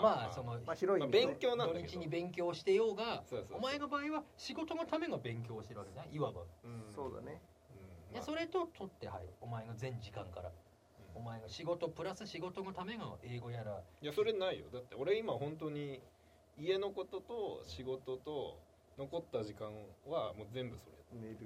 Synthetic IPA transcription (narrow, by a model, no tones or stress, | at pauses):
maːso̞noaiɾoibe̞ŋkʲo̞ːnãnoɲit͡ɕiɲibẽ̞ŋk̬ʲo̞ːɕi̥t̪e̞jo̞ːɡasosoomae̞nobaːiβaɕiɡo̞t̪o̞no̞t̪ame̞ɡabẽ̞ŋk̬ʲo̞ːɕit̪eɾɯβaked̪ezneiβaba̰soːd̪a̰ne | ɯ̃aso̞ɾe̞t̪o̞t̪ʰo̞t̪ːe̞̰ha̰iomae̞ɡazẽ̞ɲ̟d͡ʑikãŋkaɾa̰ | o̞maeɡaɕiɡo̞t̪o̞pɯ̟ɾasɨɕiɡo̞t̪o̞no̞t̪ame̞ŋaʔe̞ːɡo̞jaɾajaso̞ɾe̞naijo̞̰d̪at̪ːeoɾe̞imahõ̞nt̪̬o̞ɲ̟i | ie̞no̞ko̞t̪o̞t̪oɕiɡo̞t̪o̞t̪o̞ | no̞ko̞t̪ːaʑikãɰβamoːzẽ̞mbɯ̟so̞ɾeeɾɯ